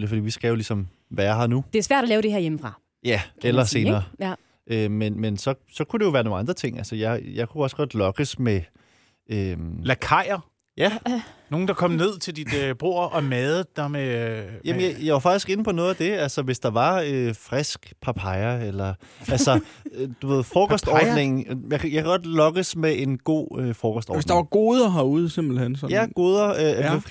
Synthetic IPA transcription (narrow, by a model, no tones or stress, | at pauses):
lifɒ̽d̥ḭːʋisɡ̥æjo̝lisɒ̽m | ʋæjɑɐɦɑ̈nud̥esʋæɐɾ̥ɒlɛːʊɾ̥eheɐjeməfʁɑ̈ | jæelɐse̝ːnɐː | ʔømenmensɒ̽sɒ̽kʰud̥e̝jo̝ʋæːɐno̝ːŋɑ̈nd̥ʁɐt͡sʰe̝ŋ̰ælsəjɑ̈ɪjɑ̈ɪkʰuɒ̽sɡ̥ɒ̽d̥lɒ̽ɡ̥əsme | ølækʰɑ̈ɪ̰ɐ | jæno̝ːŋn̩d̥ɑ̈kʰɒ̽m̰ne̝ð̞̰ˠt͡sʰe̝ld̥id̥b̥ʁo̝ɐ̰ʔɒ̽mɛð̩ˠd̥æmejæmənjajɑʋɑfɡ̥d̥isɡ̥e̝nəpʰɒ̽nɔ̽ːðˠæd̥e̝ælsɒʋe̝sd̥ɑ̈ʋɑ̈øfʁɛsɡ̥pʰɑ̈pʰɑ̈ɪɐelɐ | ælsɐd̥uʋe̝ð̰ˠfɒːɡ̥ɒsd̥ɒːd̥ne̝ŋn̩jɑkʰjɑkʰæɡ̥ɒ̽d̥lɒ̽ɡ̥əsmeʔe̝nɡ̥o̝̰ːøfɒːɡ̥ɒsd̥ɒ̰dsd̥ɑ̈ʋɑ̈ɡ̥o̝ːðˠɐɦɑuðˠsemb̥l̩hen̰sɒjæɡ̥o̝ːðˠɐø